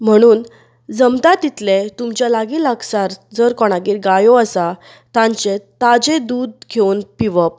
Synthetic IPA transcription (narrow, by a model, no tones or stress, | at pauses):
m̤əɽ̃uːn | d͡zəmd̪at̪it̪let̪umt͡ɕjalaɡiːlaɡsaɾd͡zəɾkɔɽ̃aɡiːɾɡajɔəsa | t̪ãɲt͡ɕet̪ad͡ʑẽd̪uːd̪̚kʰewnpiʋəp̚